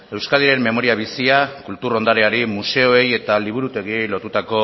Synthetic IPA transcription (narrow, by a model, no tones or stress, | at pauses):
e̞wskaðiɾe̞mmːe̞mo̞ɾiaβ̞isiakult̪uɾo̞nd̪aɾe̞aɾimuse̞o̞e̞je̞t̪aliβ̞uɾut̪e̞ɣ̞ie̞jlo̞t̪ut̪ako̞